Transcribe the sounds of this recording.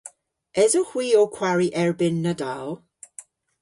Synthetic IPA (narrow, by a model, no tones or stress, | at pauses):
ɛzɔhwiːokʰw̥aɹiʔɛɹbɪnːədalˠ